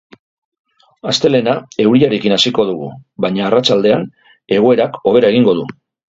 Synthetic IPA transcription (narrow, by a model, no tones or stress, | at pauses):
ast̪e̞le̞nae̞wɾiaɾe̞kinasiko̞ð̞uɣ̞uβajɲaːrat͡ʃald̪e̞an | e̞ɣ̞o̞e̞ɾako̞β̞e̞ɾae̞ɣ̞iŋɡo̞ð̞u